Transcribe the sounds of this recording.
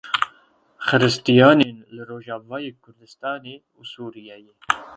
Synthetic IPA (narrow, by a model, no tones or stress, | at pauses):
xɨɾɨst̪ijɑːneːnlɨɾoːʒɑːvɑːjeːkʰʊɾd̪ɨst̪ɑːneː | usuːɾijɛjeː